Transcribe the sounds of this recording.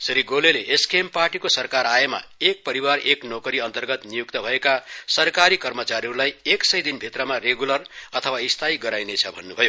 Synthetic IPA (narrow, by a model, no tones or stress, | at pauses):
sʌɾiɡoleleʔːskemparʈikosʌrkaɾajema̰ek̚pʌɾiwareknokʌɾiʌnt̪ʌrɡʌt̪nijukt̪ʌbʱʌekasʌrkaɾikʌrmʌt͡saɾiɦʌɾulajeksʌjd̪inbʱit̪rʌmareɡulʌrʌt̪ʰʌwaist̪ʰajɡʌɾajnet͡sʰʌbʱʌnːubʱʌjo